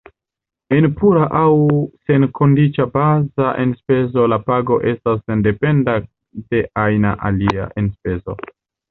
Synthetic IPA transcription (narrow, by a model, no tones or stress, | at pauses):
e̞npuɾaʔawse̞nkʰo̞ndit͡ʃabazaʔenspe̞zo̞lapaɡo̞ʔe̞stas̬ende̞pe̞nda | de̞ʔajna̰ʔa̰lia̰ʔenspe̞zo̞̰